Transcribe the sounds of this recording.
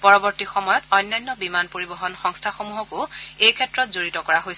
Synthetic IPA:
pɔɹɔbɔɹtixɔmɔjɔtɔjnːɔjnːɔbimanpoɹibɔɦɔnxɔŋstʰaxomuɦɔkʊejkʰɛtɹɔtzoɹitɔkɔɹaɦojsɛ

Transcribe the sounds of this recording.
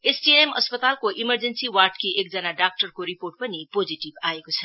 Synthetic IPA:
esʈiemʌspət̪alkoʔiməɾd͡zensiwarʈkiʔek̚d͡zʌnaɖak̚ʈərkoɾiporʈ̚pʌnipod͡ziʈibaekot͡sʰʌ

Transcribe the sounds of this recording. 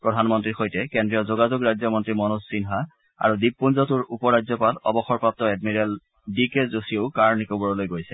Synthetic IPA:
pɹɔdʱanmɔntɹiɹxojtɛkendɹijɔzoɡazuɡɹazjɔmɔntɹimɔnusːinɦa | a̰ɹudip̚ːunzɔtuɹupɔɹazɔpalɔ̰bɔxɔɹpap̚tɔɛdmiɹɛl | dikezosioʊkaɹnikobɔɹɔlojɡojsɛ̥

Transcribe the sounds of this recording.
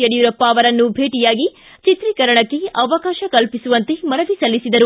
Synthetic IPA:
ɐɽijuɾɐpːɐːʋɐɾɐnːubʱeːʈijaːɡi | t͡ʃit̪ɾikɐɾɐɳɐkːe̞ɐʋɐkaːʃɐkɐlpisuʋɐnt̪e̞mɐnɐʋisɐlːisid̪ɐɾu

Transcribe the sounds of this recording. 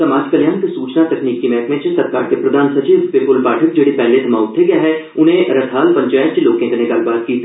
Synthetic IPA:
sɐmaːd͡ʒkɐljãːnkesuːt͡ʃnat̪ɐkniːkːimɛɦk̪mẽt͡ʃsɐɾkaːɾkepɾɐd̪ʱaːnsɐt͡ʃiːʋpeːpʊlpaːʈʰək̚d͡ʒeːɽipɛːled̪ʱɐmaːʊt̪ʰːeɡjaɦɛ | ʊnɦẽɾɐt̪ʰaːlpɐ̃ɲt͡ʃaːjət̪t͡ʃiloːkẽk̪eneɡaːlbaːt̪̚kiː

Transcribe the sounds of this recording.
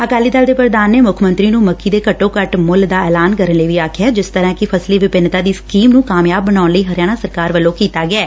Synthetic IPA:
əkaːliːd̪ald̪eːpɾəd̪aːnːeːmʊkʰmə̃nt̪ɾiːnũːməkʰːiːd̪eːkəʈːõːkəʈmʊld̪aːɛːlaːnkəɾənləiːʋiːaːkʰɪjaːd͡ʒɪst̪əɾãːkɪpʰəsleːʋɪpɪnt̪aːd̪iːskiːmnũːkaːmjaːbːənaːʊnləiːɦəɾjaːɽ̃aːsəɾkaːɾʋəlːõːkiːt̪aːɡɪɛː

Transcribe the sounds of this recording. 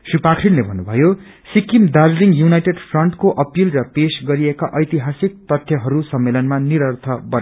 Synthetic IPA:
sipakʰrinlebʱʌnːubʱʌjo | sikimdad͡zliŋjunajʈeɖpʰrʌɳʈkoʔʌpilrʌpesɡʌɾiekaʔʌjt̪iɦasik̚t̪ʌt̪ʰjʌɦʌɾusʌmːelʌnmaniɾʌrt̪ʰʌbʌn

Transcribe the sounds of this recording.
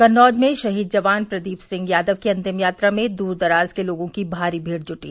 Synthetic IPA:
kɐnɔːd͡ʒmẽʃɐɦiːd̪̚d͡ʒɐʋaːnpɾɐd̪iːpsɪ̃ŋɡjaːd̪əʋkiɐ̃nt̪ɪmjaːt̪ɾamẽd̪uːɾd̪ɐɾaːzkeloːɡõkibʱaːɾibʱiːɽd͡ʒʊʈiː

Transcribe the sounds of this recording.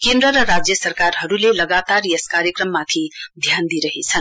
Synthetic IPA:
kẽnd̪ɾʌɾʌɾad͡zjʌsʌɾkaɾɦʌɾulelʌɡat̪aɾjʌskaɾjəkɾʌmːat̪ʰid̪ʱjand̪iɾʌɦet͡sʰʌn

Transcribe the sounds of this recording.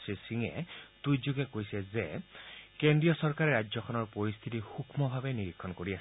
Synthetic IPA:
sisiŋḛt̪ujd͡ʒuɡekojsɛzekendɹijɔsɔɹkaɾɛɾad͡ʒjɔkʰɔnɔɹpɔɹist̪ʰit̪ihukʰmɔbʱabeniɾikʰːɔnkoɹias

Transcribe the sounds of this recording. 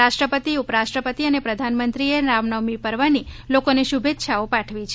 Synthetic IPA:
aʃʈɾəpət̪iupɾaʃʈɾəpət̪iənepɾəd̪ʱanmənt̪ɾienamnəʋmipəɾʋanilokoneʃubʱet̪ːʃʰaopaʈʰʋit͡ʃʰe

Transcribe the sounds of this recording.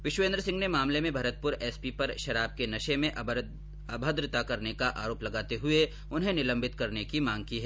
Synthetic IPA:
ʋɪʃʋẽːnd̪ɾəsɪ̃ŋɡnemaːmlemẽbʱɐɾət̪̚pʊɾɛːspipɐɾʃɐɾaːb̚kenɐʃemẽʔ | ɐbʱəd̪ɾɪt̪akɐɾnekaʔa̰ːɾoːplɐɡaːt̪eɦʊe | ʊnɦẽnɪlə̃mbʱɪt̪kɐɾnekimãːŋɡkiɦɛː

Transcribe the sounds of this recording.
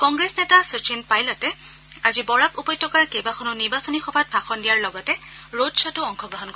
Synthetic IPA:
kɔŋɡɹesnɛtasut͡ʃinpajlɔtɛ | azibɔɹakupɔjtːɔkaɹkejbaxʰɔnʊniɹbasɔnixɔbʱat̚bʱaxɔndijaɹlɔɡɔtɛɹodsʰɔtʊɔŋxʰɔɡɹɔɦɔnkɔ

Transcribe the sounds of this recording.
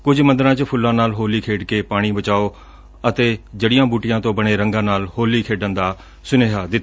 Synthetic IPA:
kʊd͡ʑʱmɐ̃nd̪əɾãt͡ɕpʰʊlːãnaːlɦoːlikʰeːɖkepaːɽ̃ibɐt͡ɕaːo | ɐt̪ed͡ʑɐɽɪjãbuːʈijãt̪õbɐɽ̃eɾɐ̃ŋɡãnaːlhoːlikʰeːɖə̃nd̪a | sʊneːɦad̪ɪt̪ʰ

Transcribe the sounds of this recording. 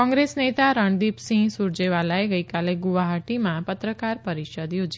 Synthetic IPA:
kɔ̃ŋɡɾesnet̪aɾəɳd̪ipsĩsuɾd͡ʒeʋalaeɡəjkaleɡuʋaɦaʈimãpət̪ɾəkaɾpəɾiʃəd̪jod͡ʒi

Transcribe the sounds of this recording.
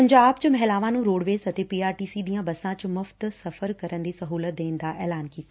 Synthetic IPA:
ɐ̃ɲd͡ʑaːb̚t͡ɕɪmɐɦɛlaːʋãnũɾoːɽʋeːzɐt̪epiːaːɾʈiːsid̪ĩːãbɐsãt͡ɕmʊft̪sɐfəɾkɐɾənɪ̆d̪isɐɦuːlət̪̚d̪eːnɪ̆d̪aʔɛːlaːnkiːt̪ː

